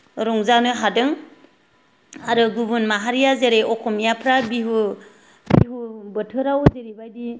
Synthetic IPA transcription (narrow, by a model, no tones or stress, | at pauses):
ɾɔŋzanɯɦadɯŋ | aɾɯɡubunmaɦaɾijazeɾeɔkʰɔmijapʰɾabiɦu | biɦubətʰɯɾawzeɾibajdi